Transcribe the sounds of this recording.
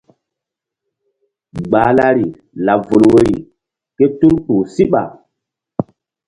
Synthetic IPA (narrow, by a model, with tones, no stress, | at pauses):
ɡ͡baː˨la˦ɾi˨ | la˨vo˨lwe˦ɾi˨ | ke˦tu˦ɾpuː˨si˦ɓa̰˨